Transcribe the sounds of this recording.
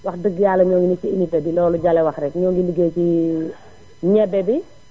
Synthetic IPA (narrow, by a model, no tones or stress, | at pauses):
wɐxdəɡjaːlːɐɲɔːŋɡiniiimitːɐdilɔːluɟalɛwɐxrɛkɲɔːŋɡiniɡeːci | ɲɛbːɛbi